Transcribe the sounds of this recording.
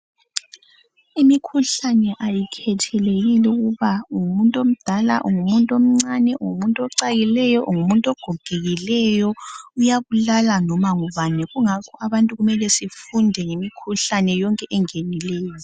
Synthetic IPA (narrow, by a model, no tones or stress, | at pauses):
imikʰuɬanɛʔajikʰɛtʰɛleɣilɛuɣuβauŋumuntʼom̩d̥ʱala̰ʔṵŋumuntʼom̩ŋ͡ǀanɛʔuŋumuntʼɔǀaɣilɛjɔʔuŋumuntʼɔɡ̥ʱɔɡ̥ʱeɣilɛjɔujaβulalanɔmaŋuβanɛɣuŋakʰɔʔaβantʼuɣumɛlɛsifundʱɛŋemikʰuɬanɛjɔŋkʼɛʔɛŋenilɛːjɔ